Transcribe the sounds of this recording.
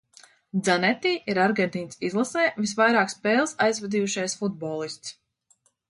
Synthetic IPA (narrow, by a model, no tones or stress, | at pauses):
d̪zanɛt̪iːʔiɾaɾɡʲent̪iːnsizlˠasɛːvisvajɾɑːkspɛːlˠsajzvɛd̪iːuʃajsfud̪̚bɔːlˠist̪s